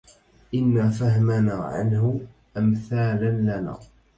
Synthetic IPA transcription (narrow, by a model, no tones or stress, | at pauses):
ʔɪnːaːfahmanaːʕa̰nhʊ | ʔamθaːlanlana̰ː